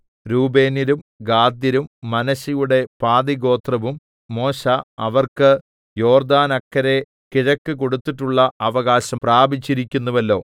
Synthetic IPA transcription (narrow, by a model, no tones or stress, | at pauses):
ɾuːbe̞ːniɾumɡaːd̪jɐɾumːɐnɐɕijuɽe̞paːd̪iɡo̞ːt̪rɐʋumː | o̞ːɕaɐʋɐrkɨ | jo̞ːrd̪aːnɐkːɐɾe̞ | kiɻɐkːɨko̞ɽut̪ːiʈːuɭːɐɐʋɐɣaːɕɐpraːbit͡ɕːiɾikʲːunːɐʋɐlːo̞ː